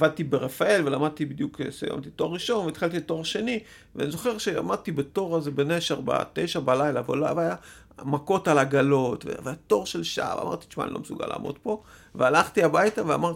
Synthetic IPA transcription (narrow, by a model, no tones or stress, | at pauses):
avad̪̚t̪ibeʁefae̞lvelamad̪̚t̪ibid̪juksḛja̰mt̪ito̞ʁːiʃo̞nveit̪χalt̪̬ileto̞ʁaʃe̞ni | vea̰nizo̞χe̞ʁʃea̰mad̪̚t̪ibeto̞ʁazebeneʃaʁba̰t̪ejʃabalajlaveloavaja | mako̞talaɡalo̞tvevejat̪o̞ʁʃelʃa̰va̰ma̰ʁt̪i̥ʃma̰ːnilomesuɡa̰la̰ːmʔod̪po̞ | vealaχt̪iabajtavea̰maʁi